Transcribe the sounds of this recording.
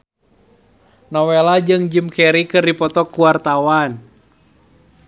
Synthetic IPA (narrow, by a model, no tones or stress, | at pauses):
nɔwelad͡ʒɨŋd͡ʒɨmkɛɾikɨrdipɔt̪ɔkuwart̪awan